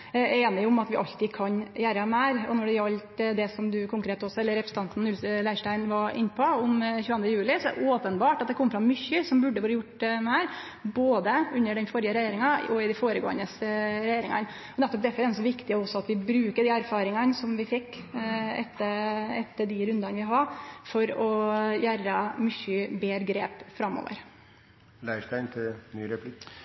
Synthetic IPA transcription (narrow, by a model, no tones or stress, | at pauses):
eːnɪʊmɑt̪ʋɪʔɑ̰lt̪ːɪkʰɑnjæːɾəmæːɾɔ̰nɔɖɛɑlt̪d̪ɛsɔmd̪ʉkʰʊŋkɾeːt̪ɔsɔɛlːəɾːɛpɾəsət̪ʰɑnt̪n̩ʉllæɪʂʈæɪnʋɑɾʔɪ̰nːəpʰɔʊmçʉːɑnd̪ɾəjʉːlɪsɔɛɾ̰ʔoːpənbɑːʈɑt̪̚d̪ɛkʰɔmːfɾɑmmʏçːəsɔmbʉɖːəʋɑːɾəjʊʈːmæːɾ | boːd̪əʉnːəɖɛnfɔɾjəɾɛjeːɾɪŋɑɔɪd̪æfoːɾəɡo̰ːə̰nəsɾɛjeːɾɪŋɑ̰n | ɔnɛt̪ːɔp̚d̪ɛɾfɔɾɛnsɔʋɪkt̪ɪɔsːɔɑt̪ʋɪbɾʉːkəɖɪæɾfɑːɾɪŋɑnsɔmʋɪfɪkː | ɛt̪ːəɾɛt̪ːəɖɪɾʉnd̪ɑnʋɪɦɑɾfɔɾɔjæɾɑmʏçybeːɾɡɾeːpfɾɑmːɔ̰ːʋə̰ɾ | læɪʂtæɪnt̪ʰɪlnyːɾɛpʰlɪk